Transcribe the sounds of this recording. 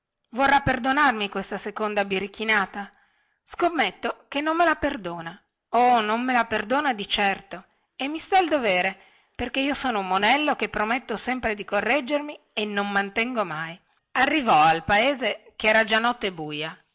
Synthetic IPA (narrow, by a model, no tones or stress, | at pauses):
vorːapːerd̪onarmikwest̪asekond̪abiɾikːinaːt̪a | skomːet̪ːokenːomːelaperd̪oːna | onomːelaperd̪oːnad̪it͡ʃɛrt̪o | emːist̪aild̪oveːɾe | perkeiːosoːnoumːonɛlːokepːɾomet̪ːosɛmpɾed̪ikorːɛd͡ʒermi | enːommant̪ɛŋɡomaj | arːivɔalpaeːzek̟eɛːɾad͡ʒanːɔt̪ːebuːja